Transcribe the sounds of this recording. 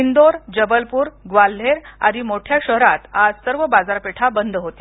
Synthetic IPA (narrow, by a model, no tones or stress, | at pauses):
ind̪oɾd͡ʑəbəlpuːɾɡʋalːeɾa̰ɾimoʈʰjaɕəɦɾat̪ad͡zsəɾʋəbad͡zaɾpeʈʰabənd̪ʱɦot̪e